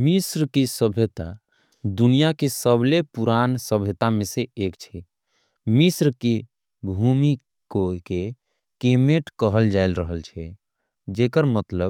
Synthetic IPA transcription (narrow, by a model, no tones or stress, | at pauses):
misɾkisəbʱet̪a | d̪unijakesəblepuɾansəbʱət̪ameseeːkt͡ʃʰɛ | misɾke | bʱumi | koke | kemeʈkəɦəld͡ʒaɪlɾəɦəlt͡ʃʰɛ | d͡ʒekəɾmət̪ləb